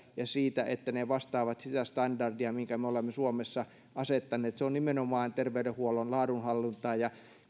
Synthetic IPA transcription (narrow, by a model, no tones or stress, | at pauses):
jɑsiːt̪æʔet̪ːæneʋɑst̪ɑːʋɑt̪sit̪æst̪ɑndɑrdiɑmiŋkæmeolemːesuomesːɑ | ɑset̪ːɑneːt̪seonnimenomɑːnt̪erʋeydehuolonlɑːdunhɑlːint̪ˑɑːjɑ